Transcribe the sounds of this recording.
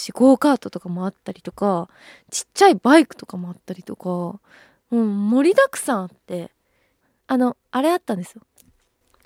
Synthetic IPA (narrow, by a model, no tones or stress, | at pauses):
ɕiko̞ːkaːt̪o̞t̪o̞kamo̞at̪ːaɾʲit̪o̞ka | t͡ɕi̥t͡ɕːaibaikɯ̟̥t̪o̞̥kamo̞at̪ːaɾʲit̪o̞ka | ɯ̟̃ɴmo̞ɾʲid̪akɯ̟̥sãɰ̃at̪ːe̞ | ano̞aɾe̞at̪ːãnd̪e̞sɨjo